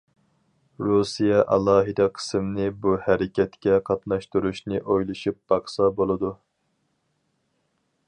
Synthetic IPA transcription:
ɾusijɛʔɑlˠɑːɦɨd̪ɛqʰə̥sɨmnɨbuhæɾɪkʲʰɛt̪kʲɛqʰɑt̪nɑʃt̪uɾuʃnɨʔojlˠɨʃup̚b̥ɑχsɑbolˠɨd̪u

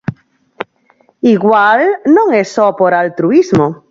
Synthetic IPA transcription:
iɣwalnõŋesopoɾalt̪ɾuizmo

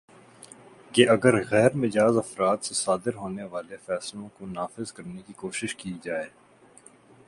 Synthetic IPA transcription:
keɐɡəɾɣɛːɾmɪd͡ʒaːzɐfɾaːt̪sesaːd̪ɪɾɦoːneʋaːlefɛːslõkonaːfɪzkɐɾnekikoːʃɪʃkid͡ʒaːeː

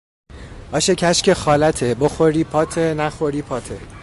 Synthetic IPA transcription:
ɒːʃecʰæʃcʰʲexɒːlæt̪ʰeboxoɾiːpʰɒːt̪ʰenæxoɾiːpʰɒːt̪ʰe

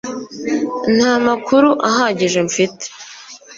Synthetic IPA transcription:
n̥haːmakʰuɾuʔaɦaːɟiʒe̞ɱfite̥

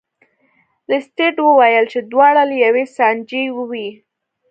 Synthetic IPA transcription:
lɪsʈeʈwəwajəlt͡ʃed̪wɑɽalejawesɑnd͡ʒewəwi

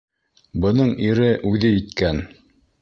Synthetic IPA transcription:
bɤ̆nɤɴiɾɘʔʉðɘjit̪kæn

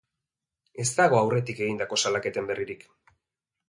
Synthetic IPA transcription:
e̞st̪aɣ̞o̞awre̞t̪ike̞ɣind̪ako̞salake̞t̪e̞mbe̞rʔiɾik

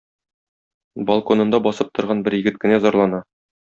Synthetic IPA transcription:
bɐlˠkonɤ̆nd̪ɑbɒsɤp̚t̪ŏɾʁɑnbɘɾjɘ̆ɡɘt̪̚kɘ̆næzɒɾlˠɑnɑ

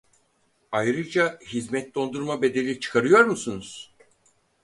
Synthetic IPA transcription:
ajɾɯd͡ʒaɦizmɛt̪̚d̪o̞nd̪uɾmabe̞d̪e̞lʲit͡ʃʰɯ̥kʰaɾɯjo̞ɾmusunuz̥

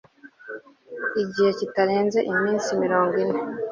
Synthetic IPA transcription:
iɟihe̞citaɾeːnze̞ʔimiːnsimiɾoːŋɡwine

